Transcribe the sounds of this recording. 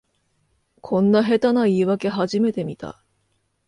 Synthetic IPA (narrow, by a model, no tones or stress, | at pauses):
kʰõ̞nːaɦe̞t̪anaiːβake̞ɦaʑime̞t̪e̞mʲit̪a̰